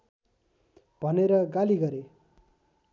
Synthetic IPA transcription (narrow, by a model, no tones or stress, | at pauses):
b̥ʱʌneɾʌɡaliɡʌɾe